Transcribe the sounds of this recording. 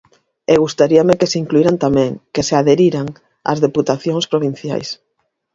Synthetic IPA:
eɣ̞ust̪aɾiamekeseiŋkluiɾant̪amɛ̃ŋkeseaðeɾiɾaŋ | a̰zðeput̪aθjoŋspɾoβ̞in̟θja̰js

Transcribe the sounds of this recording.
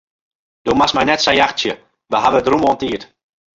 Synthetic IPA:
d̥omasmɛjnɛtsajaxsjə | ʋəɦaʋədrumontiːət

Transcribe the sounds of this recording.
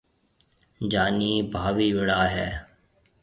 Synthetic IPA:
d͡ʒaːniːbʱaːʋiːʋɪɽaːɦɛː

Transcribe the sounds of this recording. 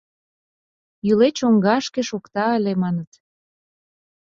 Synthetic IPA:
jylet͡ɕoŋɡɑʃkeʃokt̪ɑəlemɑnət̪

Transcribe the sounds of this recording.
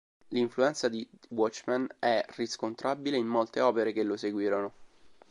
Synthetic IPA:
liɱfluɛnt̪sad̪iwɔt͡ʃːmanɛriskont̪ɾabileimːolt̪eɔːpeɾekelːoseɡwiːɾono

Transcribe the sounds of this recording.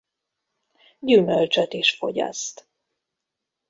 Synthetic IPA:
ɟymølt͡ʃɛt̪iʃfo̞̰ɟɒ̰st̪

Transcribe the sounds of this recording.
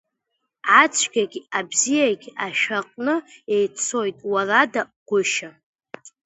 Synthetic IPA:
ʕat͡ʃʷʰɡʲaɡʲabzijaɡʲaʃᶣaqʼnɨejt͡sʰo̞jtʼwaradaɡ̥ʷʊʃa

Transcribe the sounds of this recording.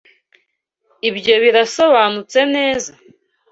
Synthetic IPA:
ibjo̞βiɾaso̞βaːnut͡se̞ne̞ːza

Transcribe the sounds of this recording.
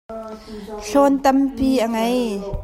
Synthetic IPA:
ɬɔnt̪ɐmpiːʔaŋɐj

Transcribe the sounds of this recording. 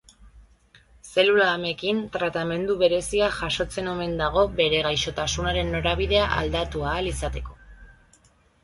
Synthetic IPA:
se̞lulaːmekint̪ɾat̪ame̞nd̪uβe̞ɾe̞siaʝaʃo̞t͡se̞no̞me̞nd̪aɣ̞o̞be̞ɾe̞ɣ̞ajʃo̞t̪asunaɾe̞nːo̞ɾaβ̞iðe̞aʔa̰ld̪at̪uaːlisat̪e̞ko̞̥

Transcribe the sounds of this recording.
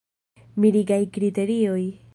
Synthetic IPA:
miɾiɡajkɾite̞ɾio̞j

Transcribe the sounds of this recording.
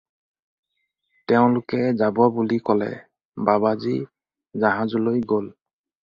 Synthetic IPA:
tɛʊ̃lʊkɛzababulikɔlɛ̰ | babazi | zaɦãzɔlojɡol

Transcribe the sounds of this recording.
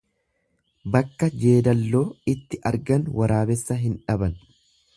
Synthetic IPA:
bɐkːɐd͡ʒe̞ːd̪ɐlːo̞ːɪt̪ːɪʔɐɾɡɐnwʔɐɾaːbɛsːɐɦɪnᶑɐbɐn

